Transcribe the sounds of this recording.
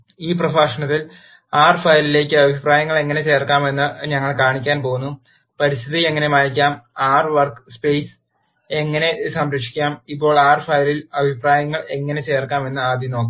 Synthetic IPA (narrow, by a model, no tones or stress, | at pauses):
iːp̬rɐfaːʂɐɳɐt̪ːil | aːrfɐjlile̞ːkʲːɨɐbʱipraːjɐŋːɐɭe̞ŋːɐne̞t͡ɕe̞ːrkːaːme̞nːɨɲɐŋːɐɭkaːɳikʲːaːnpo̞ːɣunːu | pɐɾist̪ʰiðie̞ŋːɐne̞maːjikʲːaːmaːrʋɐrkspejs | e̞ŋːɐne̞sɐmɾɐkʂi̥kʲːaːmipːo̞ːɭaːrfɐjlilɐbʱipraːjɐŋːɐɭe̞ŋːɐne̞t͡ɕe̞ːrkːaːme̞nːɨaːd̪ʱjɐno̞ːkː